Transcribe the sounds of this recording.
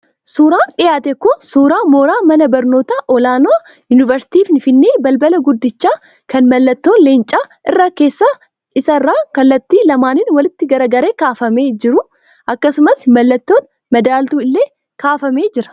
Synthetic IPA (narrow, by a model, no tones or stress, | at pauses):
suːɾaːnᶑɪjaːt̪ɛkːʊsuːɾaːmo̞ːɾaːmɐnɐbɐɾno̞ːt̪aʔɔlaːno | jʊnɪvɐɾsɪ̥t̪iːfnɪfɪnːeːbɐlbɐlɐɡʊd̪ːɪt͡ʃːaː | kɐnmɐlːɐt̪ːo̞ːnleːnt͡ʃʼaːʔɪrːaːke̞ːsːa | ʔɪsɐrːaːkɐlːɐt̪ːiːlɐmaːnɪnwɐlɪt̪ːɪɡɐɾɐɡɐɾe̞ːkaːfɐme̞ːd͡ʒɪɾʊ | ʔɐkːɐsʊmɐsmɐlːɐt̪ːo̞ːn | mɐd̪aːlt̪uːɪlːe̞ː | kaːfɐme̞ːd͡ʒɪɾɐ̥